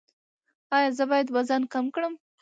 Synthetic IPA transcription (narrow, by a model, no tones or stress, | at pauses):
ɑjɑzəbɑjad̪wazankamkɽəm